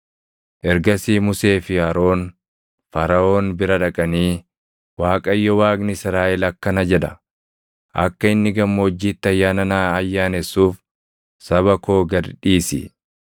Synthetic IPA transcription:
ʔɛɾɡɐsiːmʊse̞ːfɪaːɾo̞ːn | fɐɾɐʔo̞ːnbɪɾɐᶑɐkʼɐniː | waːkʼɐjːɔwaːɡnɪɪsɪɾaːʔɛlɐkːɐnɐd͡ʒɛᶑɐ | ʔɐ̰kːɐɪnːɪɡɐmːoːd͡ʒːiːt̪ːɪɐjːaːnɐnaːɐjːaːnɛsːuːf | sɐβɐko̞ːɡɐdᶑiːsɪ̰

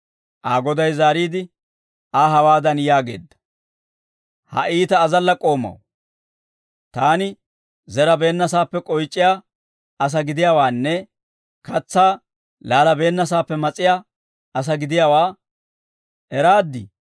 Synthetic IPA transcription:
ʔaːɡɔd̪ɐjzaːɾiːd̪ɪ | aːɦɐwaːd̪ɐnjaːɡe̞̰ːd̪ːɐ̥ | hɐ̰ʔiːt̪ɐːzɐlːɐkʼo̞ːmːɐ̰w | t̪aːnɪ | zɛɾɐbe̞ːnːɐsaːpːɛkʼɔjt͡ʃʼːɪjaː | ɐs̬ɐɡɪd̪ɪjaːwaːnːɛ | kɐt͡sːaː | laːlɐbe̞ːnːɐs̬aːpːɛmɐt͡sʼːɪjaː | ɐs̬ɐɡɪd̪ɪjawaː | ɛɾaːd̪ːɪ

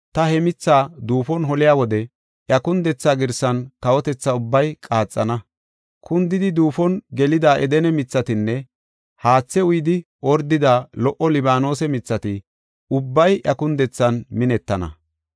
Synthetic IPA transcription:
t̪ɐhɛmɪt͡sːaːd̪uːfɔnɦɔlɪjaːwɔd̪ɛ | ʔjɐkʊnd̪ɛt͡sːaːɡɪɾsɐnkɐwɔt̪ɛt͡sːɐʊbːɐjkʼaːt͡sʼːɐnɐ | kʊnd̪ɪd̪ɪd̪uːfɔnɡɛlɪd̪aːʔɛd̪ɛnɛmɪt͡sːɐt̪ɪnːɛ | haːt͡sːɛʊjɪd̪ɪ | ɔɾd̪ɪd̪aːlɔʔɔlɪbaːno̞ːsɛmɪt͡sːɐt̪ɪ | ʊbːɐjʔjɐkʊnd̪ɛt͡sːɐnmɪnɛt̪ːɐnɐ̰

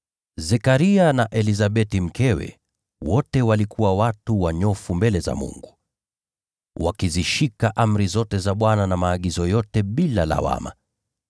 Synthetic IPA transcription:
zɛkaɾianaʔɛlizaɓɛtim̩kɛwɛ̰ | wɔtɛwalikuwawatuwaɲɔfumbɛlɛza̰mṵŋɡu | wakiziʃikaʔam̩ɾizɔtɛzaɓwananamaːɠizɔjɔtɛɓilala̰wa̰ma̰

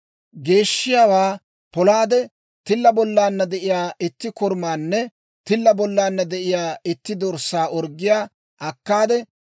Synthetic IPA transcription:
ɡe̞ːʃːɪjaːwaː | pɔlaːd̪ɛ | t̪ɪlːɐbɔlːaːnːɐd̪ɛʔɪjaːʔɪt̪ːɪkɔɾmaːnːɛ | t̪ɪlːɐbɔlːaːnːɐd̪ɛʔɪjaːɪt̪ːɪd̪ɔɾsːaːʔɔɾɡɪjaː | ʔɐkːaːd̪ɛ

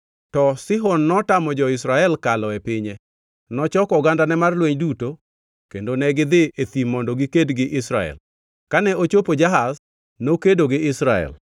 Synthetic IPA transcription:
tɔsɪɦɔnːɔtamɔd͡ʒɔɪsɾaɛlkalɔepɪɲe | nɔt͡ʃɔkɔɡandanɛmarlweɲduto | kendonɛɡɪd̪ɪet̪imɔndɔɡikedɡɪʔɪsɾaɛ̰l | kanɛʔot͡ʃopod͡ʒaɦas | nokedoɡɪɪsɾaɛ̰l

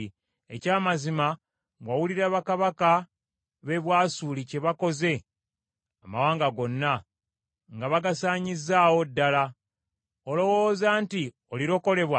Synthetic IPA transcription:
ḛcaːmazima | ɡwawuliɾaβakaβaka | βe̞βwaːsulice̞βako̞ze̞ | amawaːŋɡaɡo̞nːa | ŋɡaβaɡasaːɲizːaːwo̞dːala | olo̞wo̞ːzaːnti | oliɾo̞ko̞le̞βwa

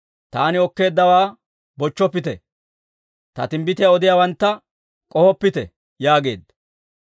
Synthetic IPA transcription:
t̪aːnɪɔkːe̞ːd̪ːɐwaː | bɔt͡ʃːɔpːɪt̪ɛ | t̪ɐ̰t̪ɪmbɪt̪ɪjaɔd̪ɪjawɐnt̪ːɐ | kʼɔhɔpːɪt̪ɛ | jaːɡe̞̰ːd̪ːɐ

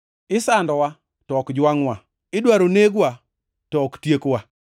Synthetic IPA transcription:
ɪsandɔwa | tɔɔkd͡ʒwaŋwa | ɪdwaɾoneɡwa | tɔːktjekwa

